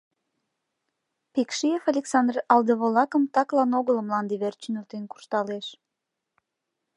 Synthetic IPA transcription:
pekʃiefɑlʲeksɑnd̪rɑld̪əβolɑkəmt̪ɑklɑnoɣələmlɑnd̪eβert͡ʃənylt̪enku̥ʃt̪ɑleʃ

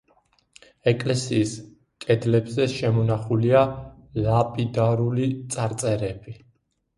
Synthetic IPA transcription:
ɛkʼlɛsiːs | kʼɛd̪lɛbzɛʃɛmɔnaχulia | lapʼid̪aɾulit̪sʼaɾt̪sʼɛɾɛb̥i

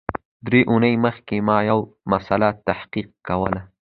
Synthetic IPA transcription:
d̪ɾeʔunəjməxkemɑjawmasalat̪ːahqiq̚kawəla

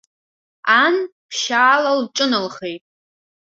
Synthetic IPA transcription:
anpʰʃaːlalʈ͡ʂʼɨnɨlχejtʼ

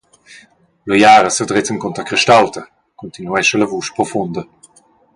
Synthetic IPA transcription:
lojaːɾəsədʁɪtənkɔnt̪ʁəkʁiʃtalt̪ə | kɔnt̪inuɛʃələvuːʃpʁɔfund̪ə

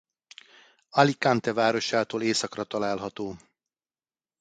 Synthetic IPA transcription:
ɒlikant̪ɛvaːɾo̞ʃaːt̪oːleːsɒkrɒt̪ɒlaːlɦɒt̪oː

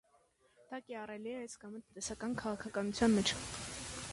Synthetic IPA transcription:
d̪̥ɑkɛɑrɛliɛɛt͡skɑmət̪ənt̪ɛsɑkɑnkʰɑʁɑkʰɑkɑnut͡sʰjɑnmɛt͡ʃʰ

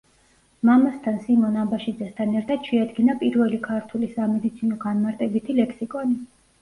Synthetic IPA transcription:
mamast̪ʰansimɔnabaʃid̪zɛst̪ʰanɛɾt̪ʰat̪ʃɛad̪ɡinapʼiɾvɛlikʰaɾt̪ʰulisamɛd̪it̪sʰinɔɡanmaɾt̪ʼɛbit̪ʰilɛkʰsikʼɔni

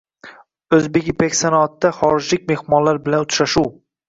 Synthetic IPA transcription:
ɵzbekʲbekʲsanɒːt̪ːaχɒɾɪd͡ʒlɪkʲme̞hmɒnlaɾbɪlanʊt̪ʰʃaʃuw

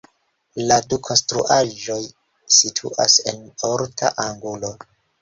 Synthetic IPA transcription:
ladukʰo̞nstɾuʔaʒo̞j | sitʰṵʔa̰se̞̰noɾtʰa̰ʔaŋɡulo̞

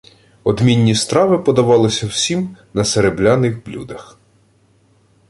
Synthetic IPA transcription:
ɔd̪mʲinʲːist̪ɾɑʋɪpɔd̪ɐʋɑlˠɪsʲɐwsʲimnɐseɾeblʲanɪxblʲud̪ɐx

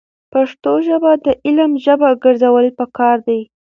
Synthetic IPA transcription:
paʂt̪oʒəbad̪əʔɪləmʒəbaɡəɾzawəlpəkɑɾd̪aj

